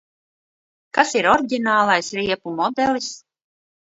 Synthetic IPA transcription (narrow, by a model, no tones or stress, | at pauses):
kasiɾɔɾɟʲinaːlˠajsɾiɛpumɔd̪ɛlˠis